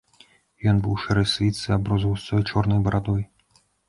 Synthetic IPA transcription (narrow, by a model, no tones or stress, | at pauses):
jɔnbɨwʂɛɾɛsʲlʲit̪sɨabɾɔzɐwst̪ɔjt͡ʃɔrnɨjbɐɾad̪ɔj